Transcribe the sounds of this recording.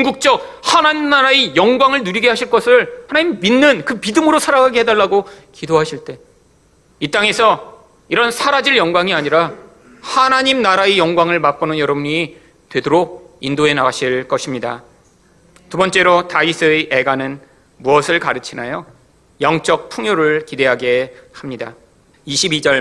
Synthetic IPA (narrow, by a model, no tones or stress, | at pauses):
uŋɡuk̚t͡ɕ͈ʌk̚hanaɲimnaɾaejʌŋɡwaŋɯɭnuɾiɡe̞ɦaɕʰiɭk͈ʌsʰɯɭhanaɲimiminːɯnkɯpidɯmɯɾosʰaɾaɡaɡeɦedaɭːaɡokidoɦaɕʰiɭt͈e̞ | it͈aŋe̞sʰʌ | iɾʌnsʰaɾad͡ʑiɭjʌŋɡwaŋiaɲiɾa | hanaɲimnaɾaejʌŋɡwaŋɯɭmap̚p͈onɯnjʌɾʌbuɲi | twe̞doɾoindoe̞naaɕʰiɭk͈ʌɕʰimɲida | tubʌnt͡ɕ͈e̞ɾotaisʰɯʔeɡanɯn | muʌsʰɯɭkaɾɯt͡ɕʰina̰jo | jʌŋt͡ɕ͈ʌk̚pʰuŋjoɾɯɭkide̞ɦaɡe̞hamɲida̰ | iɕʰibid͡ʑʌɭ